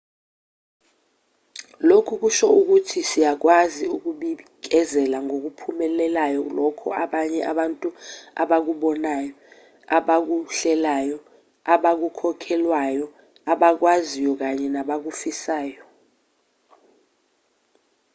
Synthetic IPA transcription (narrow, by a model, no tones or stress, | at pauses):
lokʰuk̬uʃɔuk̬utʰisijak̬waziuk̬uɓik̬ɛzɛlaŋok̬upʰumɛlɛlajɔlɔkʰɔ̰aɓaɲɛʔa̰ɓantʼua̰ɓak̬uɓɔnaːjɔ | aɓak̬uɬɛlajɔ | aɓak̬ukʰɔkʰɛlwajɔ | aɓak̬wazijɔk̬aɲɛnaɓak̬ufisaːjɔ